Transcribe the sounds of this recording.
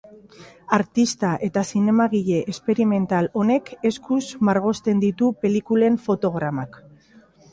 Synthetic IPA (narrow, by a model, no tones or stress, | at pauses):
aɾt̪ist̪aʔe̞t̪asine̞maɣiʎe̞ʔespeɾime̞nt̪alo̞ne̞ke̞skuzmaɾɣ̞o̞st̪e̞nd̪it̪upe̞likule̞ɱfo̞t̪o̞ɣ̞ɾamak